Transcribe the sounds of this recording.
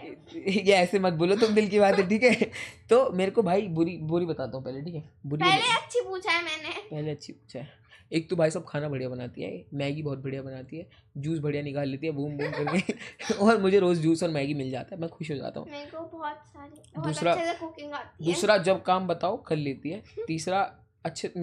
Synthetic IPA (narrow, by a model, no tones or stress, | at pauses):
jeɛːsemɐt̪̚boːlot̪ʊmd̪ɪlk̬ibaːt̪ɦɛʈʰiːkɛt̪oːmeːɾekobʱaːibʊɾibʊɾibɐt̪aːt̪aɦũpɛɦleʈʰiːkɛbʊɾileɐtːʃʰipuːt͡ʃʰaɦɛmɛːnepɛɦleɐtːʃʰipuːt͡ʃʰaɦɛ | eːk̚t̪obʱaːisɐb̚kʰaːnabʱɐɽijabɐnaːt̪iɦɛ̰mɛːɡibɔɦːt̪̚bʱɐɽjabɐnaːt̪iɦɛː | d͡ʒuːsbʱɐɽijanɪkaːleːt̪iɦɛbʱuːmbuːmkɐɾkeɔːɾmʊd͡ʒʱeɾoːzd͡ʒuːsɔːɾmɛːɡimɪld͡ʒa̰ːt̪aɦɛmɛ̃xʊʃɦod͡ʒa̰ːt̪a̰ɦũmeɾkobɔːt̪saːɾid̪uːsɾaekokɪ̃ŋd͡ʒaːt̪id̪uːsɾad͡ʒɐb̚kaːmbɐt̪aːokɐlleːt̪iɦɛːt̪iːsɾa | ɐtːʃʰe